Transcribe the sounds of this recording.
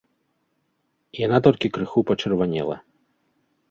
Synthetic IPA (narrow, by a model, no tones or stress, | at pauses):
janat̪ɔlʲkʲikɾɨxupɐt͡ʂɨrvanʲɛ̰lˠɐ̰